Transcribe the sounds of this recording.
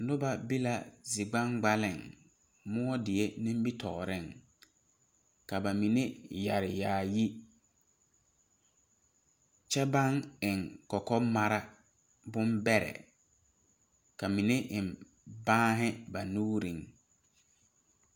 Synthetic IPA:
nʊ˦ba˨bi˦la˨zi˨ɡ͡ba˦ŋɡ͡ba˦lɪ˦˨ŋ | mʊ˦ɔ˦dɪ˨e˦nɪ̃˦m˦bi˦tʰɔ̰˨ɣɔ˨ɾɪ˦˨ŋ | ka˨ba˨mi˨ne˦ja˨ɾɪ˨jaː˨ji˦ | t͡ʃɛ˦ba˦ŋɪ˨ŋkɔ˨kɔ˦ma˨ɾa˦ | bʊ˦mbɛ˦ɾɛ̰˨ | ka˨mi˨ne˦ʔɪ˨m | bãː˦ɦɪ˦ba˨nuː˦ɾi˨ŋ

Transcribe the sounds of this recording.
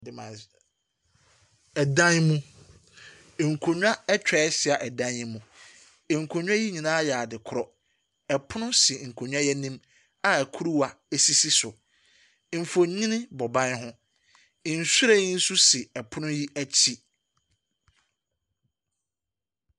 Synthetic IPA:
ɪ˨ã˨ | ɛ˨dã˦nmũ˦˨ | ŋ̩˨kʰo˨ɲᶣ˦a˦ɛ˦t͡ɕᶣɛ˨˦sɪ˨a˨ʔɛ˨dã˦njɛ˦mũ˨ | ŋ̩˨kʰo˨ɲᶣ˦ã˦ji˦ɲĩ˨nãː˦ja˨dɪ˨kʰʊ˨ɾɔ˨ | ɛ˨pʰʊ˦nʊ̃˦sɪ˨ŋ̩˨kʰo˨ɲᶣ˦ã˦jɛ˦nĩ˦m | a˨ɛ˨kʰu˦ɾu˦wa˨ | e˦si˦si˦sʊ˨ | m̩˨fo˨˦ɲĩ˦nɪ̃˦bɔ˨bã˦nɦʊ̃˦˨ | n̩˨sɾe˦˨i˦n̩˦su˦sɪ˨ɛ˨pʰʊ˦nʊ̃˦ji˦ʔæ˦t͡ɕʰi˦

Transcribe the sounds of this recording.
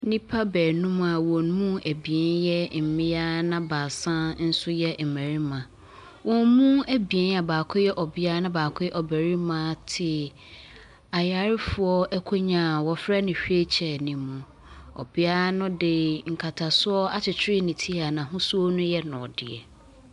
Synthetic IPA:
nĩ˦pʰa˦bɛː˨nũ˦m˦a˨wɔ̃˨n˦mũ˦æ˨bi˨ɛ˨˦njɛ˦m̩˨mɪ̃˦ja˦nã˦ba˨sã˦n̩˦sʊ˦jɛ˦m̩˨mæ̃˨ɾi˦mã˨ | wɔ̃˨nmũ˦æ˦bi˨ɛ˦na˨baː˨kʰʊ˦jɛ˦ʔɔ˨bɪ˦a˦nã˦baː˨kʰʊ˦jɛ˦ʔɔ˨bæ˨ɾi˦mã˨˦tʰɪ˨ | a˨ja˨ɾɪ˦fʊ˨ɔ˦ʔɛ˦kʰo˦ɲã˨wɔ˨fɾɛ˦nɪ̃˨ɕᶣe˦t͡ɕʰɛ˨nĩː˨ũ˨ | ɔ̰˨bɪ˦a˦nʊ̃˦dɪ˨ŋ̩˨kʰa˨tʰa˨sʊ˦ɔ˦a˦t͡ɕʰɪ˨t͡ɕʰɪ˦ɾɪ˦nĩ˨tʰi˦a˨nã˨ɦʊ̃˦su˦ɔ˦nʊ̃˦jɛ˦nʊ̃˨dɪ˨ɛ̰˨

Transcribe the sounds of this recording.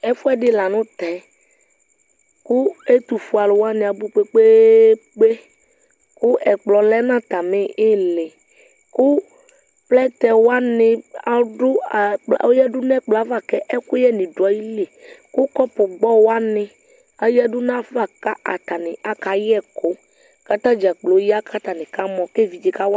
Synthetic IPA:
ɛ˦fu˦ɛ˦ɖɪ˦la˨nʊ̃˦t̪ɛ˨˦ | kʊ˦e˦t̪u˨fu˨a˨lʊ˨wa˦nɪ̃˨a˨bu˦k͡pe˦k͡pe˦ | k͡pe˦ | kʊ˦ʔɛ˨k͡plɔ˨lɛ˦nã˦t̪a˨mɪ˦ɪ˦lɪ˨ | kʊ˦ | plɛ˦t̪ɛ˨wa˦nɪ̃˨a˨˦ɖʊ̰˦˨o˦jɛ˦ɖʊ˦nɛ̃˦k͡plɔ˨a˦va˦˨kɛ˦ʔɛ˦kʊ˦jɛ˦nɪ̃˨ɖo˨a˦ji˦le˨kʊ˦kɔ˦pʊ˨ɡ͡bɔ˦wo˦a˦nɪ̃˨ | a˦jɛ˦ɖʊ˦nã˦va˦˨ka˦ʔa̰˨t̪a˨nɪ̃˨a˨ka˨jɛ˦˨ko˦ | ka˦t̪ã˦d͡ʒi˨a˨k͡plo˨˦ja˦kʰa˦t̪a˨nɪ̃˨ka˦mɔ̃˨ke˦vi˨d͡ʒi˨ka˦w

